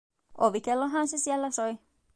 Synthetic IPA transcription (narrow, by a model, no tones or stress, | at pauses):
oʋikelːoɦɑnsesiælːæsoi